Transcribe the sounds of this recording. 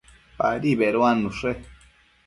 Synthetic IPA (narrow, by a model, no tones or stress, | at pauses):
pa̰ɾiβeɾoanũʂe